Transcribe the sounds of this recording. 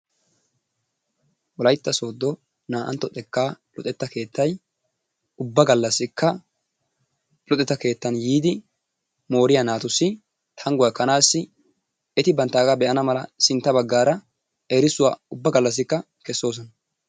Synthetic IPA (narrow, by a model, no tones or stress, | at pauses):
wɔlɐjt̪ːɐso̞ːd̪ːɔ | naːʔɐ̰nt̪ːɔt̪ʼɛkːaːlɔ̰t̪ʼɛt̪ːɐke̞ːt̪ːɐj | ʊbːɐɡɐlːɐsːɪkːɐ | lɔt̪ʼɛt̪ːɐke̞ːt̪ːɐnjiːd̪ɪ | mo̞ːɾɪjɐnaːt̪ʊsːɪ | t̪ʰɐŋɡʊjɐkːɐnaːsːɪ | ɛt̪ɪbɐnt̪ːaːɡabɛʔɐnɐmɐlɐsɪnt̪ːɐbɐɡːaːɾɐ | eɾɪsʊwaːʊbːɐɡɐlːɐs̬ːɪkːɐ | kɛsːo̞ːs̬ɔnɐ